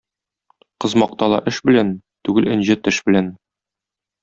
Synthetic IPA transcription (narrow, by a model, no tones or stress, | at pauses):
qɤ̆zmɑq̚t̪ɑlˠɑ̰ʔɘʃbɘ̆læn | t̪ʉɡɘlɘ̆nʑɘt̪ɘʃbɘ̆læn